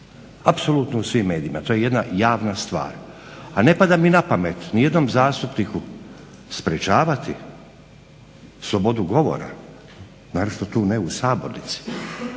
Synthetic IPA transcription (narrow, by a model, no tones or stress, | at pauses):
apso̞lˠut̪nousʋiːmːe̞ːd̪iimat̪oːjeje̞d̪najaːʋnast̪ʋa̰ːɾ | ane̞pad̪aminapame̞t̪nije̞d̪no̞mzaːst̪upniku | spɾet͡ʃaːʋat̪i | slˠo̞bo̞d̪uɡo̞ʋo̞̰ɾa̰ | naːɾot͡ʃt̪ot̪uːneusaːbo̞ɾnit̪si̥